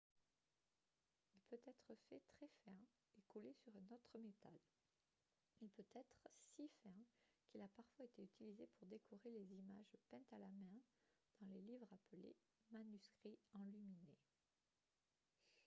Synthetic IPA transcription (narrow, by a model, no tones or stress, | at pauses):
ilpøt̪ɛt̪χəfɛt̪χɛfɛ̃ | ekulesyʁɛ̃not̪χəmet̪al | ilpøt̪ɛt̪χəsifɛ̃kilapaʁfwaet̪eyt̪ilizepuʁd̪ekʰuʁelezimaʒpɛ̃t̪alamɛ̃d̪̥ɑ̃lelivʁapəlḛ | manyskχiɑ̃lymine